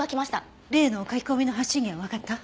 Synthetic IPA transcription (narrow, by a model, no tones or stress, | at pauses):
akʲimaɕi̥t̪a | ɾe̞ːnoːkakʲi̥ko̞mʲino̞ɦaɕĩŋɡʲeβaβakat̪ːa